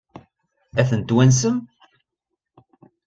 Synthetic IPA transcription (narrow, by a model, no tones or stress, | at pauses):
æθənt̪wæns̬əm